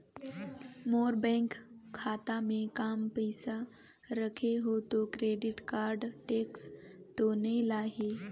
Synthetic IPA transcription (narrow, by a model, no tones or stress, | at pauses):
moːɾbɛ̃ːŋkʰːaːt̪amẽkaːmpəɪsa | ɾəkʰeɦot̪okɾeːɖɪʈkaːɾɖʈeːkst̪onəĩlaːɦe